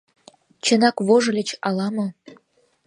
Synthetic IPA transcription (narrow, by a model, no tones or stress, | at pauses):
t͡ɕə̆nɑkβoʒɤ̆lʲĕt͡ɕɑlɑmŏ